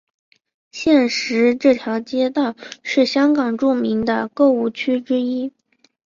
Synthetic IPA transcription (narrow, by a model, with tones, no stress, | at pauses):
ɕjɛ˥˩nʂɻ̩˧˥ʈ͡ʂɤ˥˩t̪ʰjɑ˧˥ʊt͡ɕjɛ˥t̪ɑ˥˧ʊʂɻ̩˥˩ɕjɑ˥ŋkɑ˨˩ŋʈ͡ʂu˥˩mi˧˥ŋd̪ə˧kɤ˥˧u˥˩t͡ɕʰy˥ʈ͡ʂɻ̩˥i˥